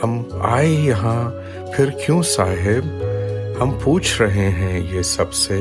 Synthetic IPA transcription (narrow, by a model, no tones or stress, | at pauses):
ɦɐma̰ːejɐɦã | fʰɪɾkjũsaːɦɪbhɐmpuːt͡ʃʰɾɐɦeɦɛ̃jesɐbse